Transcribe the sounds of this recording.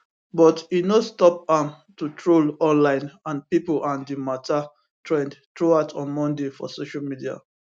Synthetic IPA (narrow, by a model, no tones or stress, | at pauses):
bɔtinostɔp̚ãm | tutʰɹolɔ̃nlãɪ̃nãnpiplãndimatʰa | tɹɛ̃ndtɹuatʰɔ̃nmɔ̃ndefɔ̰soʃalmidia̰